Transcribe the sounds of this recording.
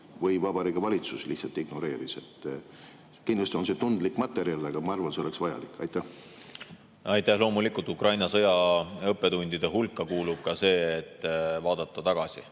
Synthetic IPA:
vɤjvɑb̥ɑɾikɑvɑlʲit̪suslihtsɑlt̪iɡ̥no̞ɾe̞ːɾise̞t̪ːˑ | kind̪lɑst̪io̞nset̪und̪likːmɑt̪ːˑe̞ɾiɑlɑɡ̥ɑmɑɑrvɑnseole̞ksvɑjɑ̰likːˑɑjt̪ːˑæh | ɑjt̪ːæhlo̞ːmulikːˑult̪ːˑukrʔɑjnɑsɤ̞jɑɤpːe̞t̪unʲd̪̥id̪̥eɦulkːˑɑkuːlub̥̚kɑse̞ːet̪ˑːvɑːd̪̥ɑt̪ːˑɑt̪ɑɡ̥ɑsʲi

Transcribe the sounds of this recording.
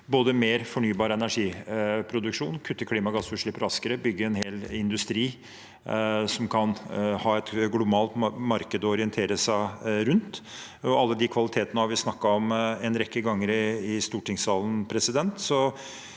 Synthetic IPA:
boːd̪əmeːɾfɔɳyːbɑːɾəɛnæʂiːpʰɾʊd̪ʉkʂuːnkʰʉt̪ːəkʰliːmɑɡɑsʉːʂɭɪpːɾɑskəɾəbʏɡːəɛnheːlɪnd̪ʉst̪ɾiː | sɔmkʰɑnhɑːɛt̪ɡlʊbɑːlt̪mɑɾkəd̪ɔɔɾɪənt̪ʰeːɾəsæɪɾʉnt̪ | ɔɑlːəd̪ɪkʰʋɑlɪt̪ʰeːt̪ənəhɑɾʋɪsnɑkːɑɔmɛnɾɛkːəɡɑŋːəɾɪɪst̪uːʈɪŋsɑːln̩pʰɾɛsɪd̪ɛnt̪sɔ

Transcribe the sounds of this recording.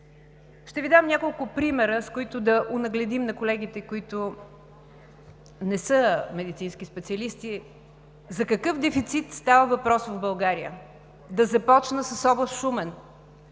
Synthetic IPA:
ʃt̪ɛvid̪amnʲakolˠkʊpɾimɛɾəskʊit̪ʊd̪ɐʔonɐɡlɛd̪imnɐkolɛɡ̟it̪ɛkoit̪ʊ | nɛsəmɛd̪it̪sinsk̟ʲispɛt̪siəlist̪i | zɐkɐkɤfd̪ɛfit̪sit̪st̪avəvɐpɾɔsvovbɐlˠɡaɾijə̰ | d̪ɐzɐpɔt͡ʃnəsəsɔblˠəsʃumɛn

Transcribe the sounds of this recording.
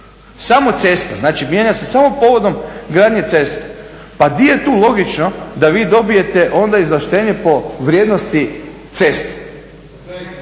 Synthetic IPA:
samo̞t̪se̞st̪a̰znaːt͡ʃimjeɲase̞samo̞po̞ʋo̞d̪o̞mɡɾaːd̪ɲe̞t̪se̞st̪e̥ | pad̪ije̞t̪uːlo̞ɡit͡ʃno̞d̪aʋiːd̪o̞bije̞t̪eʔo̞nd̪aizlaʃt̪e̞ːɲe̞po̞ʋɾʲjeːd̪nost̪it̪se̞st̪e̥

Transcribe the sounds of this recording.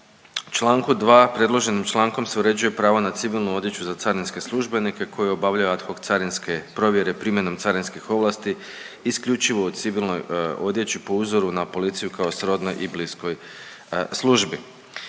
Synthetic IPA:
t͡ʃlˠaːŋkud̪ʋaːpɾe̞dlˠo̞ʒe̞nimt͡ʃlˠaːŋko̞mse̞uɾe̞d͡ʒuje̞pɾaːʋonat̪siʋilˠnuo̞d̪je̞t͡ɕuzat̪saɾinske̞slˠuʒbe̞nike̞kʰo̞jeo̞baʋʎajuat̪xoɡt̪saɾinske̞pɾo̞ʋje̞ɾe̞pɾimʲjeno̞mt̪saɾinskixo̞ʋlˠast̪iː | skʎʲut͡ʃiʋo̞ut̪siʋilnojo̞d̪je̞t͡ɕipo̞uzo̞ɾunapo̞lit̪sijukao̞sɾo̞d̪nojʔiblisko̞j | slˠuʒbi

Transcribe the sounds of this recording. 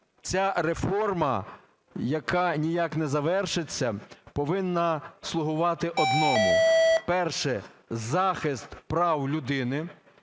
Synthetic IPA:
t͡sʲaɾefɔrmɐ | jɐkɑnʲijaknɛzɐʋɛrʃɪt͡sʲːɐpɔʋɪnːɐslˠʊɦʊʋɑt̪ɪʔɔd̪nɔmʊpɛrʃɛ | zɑxɪst̪pɾɑwlʲʊd̪ɪnɪ

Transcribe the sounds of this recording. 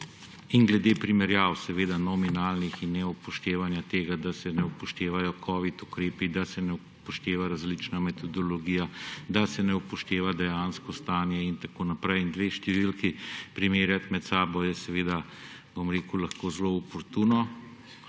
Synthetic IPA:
inɡlɛd̪eːpɾimɛɾjaːwsɛʋeːd̪anɔminaːlnixinːɛupɔʃt̪eːʋanjat̪eːɡad̪asɛnɛupɔʃt̪eːʋajɔkʰɔːʋit̪ukɾeːpid̪asɛnɛ | pɔʃt̪eːʋaɾazlit͡ʃnamɛt̪ʰɔd̪ɔlɔɡiːjad̪asɛnɛupɔʃt̪eːʋad̪ɛjanskɔst̪aːnjɛint̪akoːnapɾɛjind̪ʋeːʃt̪ɛʋilkipɾimeːɾjat̪mɛt̪saːbɔjɛsɛʋeːd̪a | bomɾeːkulaxkoːzloɔpɔɾt̪uːnɔ

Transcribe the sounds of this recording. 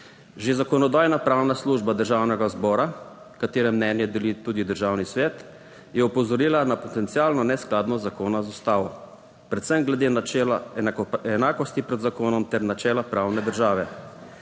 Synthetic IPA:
ʒezakɔnɔd̪aːjnapɾawnasluːʒbad̪əɾʒaːwnɛɡazbɔːɾa | kat̪eːɾɛmnɛnjɛd̪ɛlit̪uːd̪id̪əɾʒawnisʋɛːt̪ | jɛupɔzɔɾilanapɔt̪ɛnt̪siaːlnɔnɛsklaːd̪nɔzakoːnazust̪aːʋɔ | pɾɛt̪sɛmɡlɛd̪eːnat͡ʃɛlaaɛnaːkɔst̪ipɾɛd̪zakoːnɔmt̪ɛɾnat͡ʃɛːlapɾawnɛd̪əɾʒaːʋɛ

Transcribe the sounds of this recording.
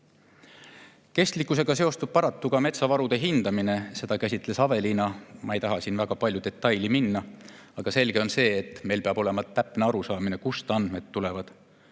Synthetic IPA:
ke̞st̪likːˑuse̞ɡ̥ɑse̞o̞st̪ub̥̚pɑɾɑt̪ːuɡ̥ɑme̞t̪sɑvɑɾud̪̥e̞ɦind̪̥ɑmine̞se̞d̪̥ɑkæsʲit̪ˑle̞sɑve̞linɑmɑejt̪ɑɦɑsiːnvæɡ̥ɑpɑlʲjud̪̥e̞t̪ːˑɑjliminːɑ | ɑɡ̥ɑse̞lɡ̥e̞o̞nse̞ːt̪ːˑme̞jlpe̞ɑbo̞le̞mɑt̪æpne̞ɑɾusɑːmine̞kust̪ɑnd̪̥me̞t̪ːule̞vɑd̪̥

